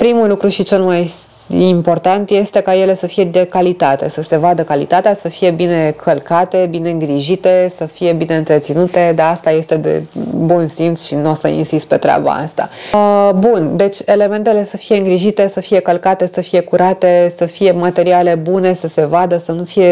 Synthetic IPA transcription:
pɾimulukɾuʃit͡ʃe̞lmaj | impo̞rt̪ant̪je̞st̪e̞kaje̞le̞səfije̞d̪ekalit̪at̪e̞səse̞vad̪əkalḭt̪at̪easəfije̞bine̞kʰəlkat̪e̞bine̞ɨŋɡɾiʒit̪e̞səfije̞bine̞ɨnt̪ɾet̪sinut̪e̞d̪east̪aje̞st̪e̞d̪e̞̰bunsimt̪sʃinosə̰ḭnsist̪pe̞t̪ɾea̰ba̰a̰st̪a̰bund̪e̞t͡ʃʲe̞le̞me̞nt̪e̞le̞səfije̞ɨŋɡɾiʒit̪e̞səfije̞kəlkat̪e̞səfije̞kuɾat̪e̞səfije̞mat̪e̞ɾiale̞bune̞səse̞vad̪əsənufije̞

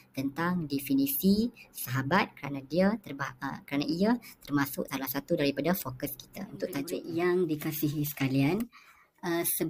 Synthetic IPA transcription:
t̪ənt̪aŋdɛfinĩsisaɦabat̪̚kəɾanãdiat̪ərbakɾanaiat̪ərmãsʊ̰ksalahsat̪udaɾipadafokəski̥t̪a̰ṵnt̪ʊʔt̪ad͡ʒɪʔjaŋdikasiɦisə̥kalian | əsə

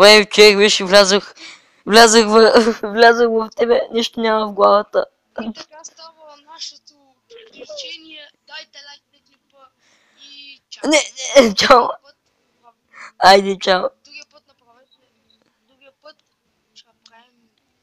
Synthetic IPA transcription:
vɛit͡ʃovɛkbɛʃɛvlʲazəx | vlʲazəxvɐvlʲazəxvɐft̪ɛbɛniʃt̪onʲaməvɡlˠavət̪ə | nɛɛt͡ʃam | ajd̪ɛt͡ʃam

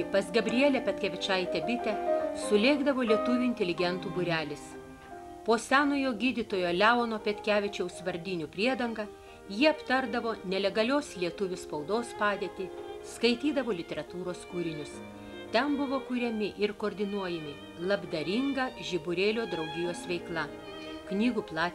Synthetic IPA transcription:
pɐsɡɐbʲɾʲɪjɛːlʲepʲɛt̪ʲkʲɛːʋʲɪt͡ʃɑːjɪt̪ʲɛbʲɪt̪ʲɛsʊlʲeːɡd̪ɐʋoːlʲiɛt̪ʊʋʲuːɪnʲt̪ʲɛlʲɪɡʲɛnt̪uːbʊɾʲæːlʲɪs | poːsʲæːnoːjoːɡʲiːd̪ʲɪt̪oːjoːlʲæːoːnoːpʲɛt̪ʲkʲæːʋʲɪt͡ʃʲɛʊsʋɐɾʲd̪ʲɪnʲuːpʲɾʲiɛd̪ɐŋɡɐː | jiɛɐpt̪ɐɾd̪ɐʋoːnʲɛlʲɛɡɐlʲoːslʲiɛt̪ʊʋʲʊspɐʊd̪oːspɑːd̪ʲeɛt̪ʲiskɐɪt̪ʲiːd̪ɐʋoːlʲɪt̪ʲɛɾɐt̪uːɾoːskuɾʲɪnʲʊs | t̪ʲɛnbʊʋoːkuɾʲɛmʲɪʔɪɾkoːɾʲd̪ʲɪnuɔjɛmʲɪ | lˠɐbd̪ɐɾʲɪŋɡɐʒʲɪbʊɾʲeːlʲoːd̪ɾɐʊɡʲɪjoːsʋʲɛɪklˠɑ | knʲiːɡuːplˠɑːt̪ʲ

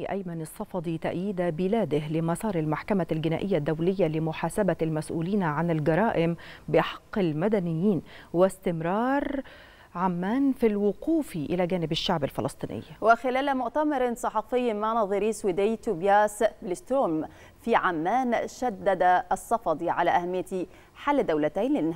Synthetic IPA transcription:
ʔæ̰jmanɪsˤːɑfɑd̪ˤit̪aʔjiːd̪abɪlæːd̪ɪhlɪmɑsˤɑːɾˤɪlmaħkamalɡɪna̰ːʔɪjːad̪ːawlɪjːalɪmʊħaːsabalmæsʔṵːliːnʕanɪlɡɑɾˤɑːʔɪmbɪʔħɑ̥qːɪlmad̪ænɪjːiːnwɪst̪ɪmɾˤɑːɾˤ | ʕamːaːnfilwʊquːfiʔɪlæɡæːnɪbɪʃːaʕbɪlfɑlɑsˤt̪ˤiːnʔɪ̰jːwɪxɪlæːlmʊʔt̪amɑɾˤsˤɑħɑfɪjːmanɑðˤɨɾiswid̪ɪjt̪ubjaːsblɪst̪ɾoːm | fiʕamːaːnʃad̪ːad̪asˤːɑfɑd̪ˤiʕalaʔahamːɪjːat̪i | ħalːd̪ːawlat̪aːnlɪn

